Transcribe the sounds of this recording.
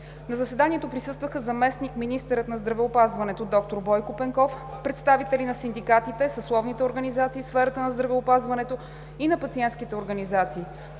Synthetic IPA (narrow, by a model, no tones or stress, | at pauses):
nɐzɐsɛd̪aniɛt̪opɾisɤst̪vəxəzɐmɛsnikminist̪ɛɾət̪nɐzd̪ɾɐvɛopazvɐnɛt̪od̪ɔk̚t̪oɾbɔjkopɛŋkɔf | pɾɛt̪st̪avit̪ɛlinɐsind̪ikat̪it̪ɛsəslˠɔvnit̪ɛoɾɡənizat̪siːfsfɛɾət̪ənɐzd̪ɾɐvɛopazvɐnɛt̪o | inɐpɐt̪siɛnt̪skit̪ɛoɾɡənizat̪siː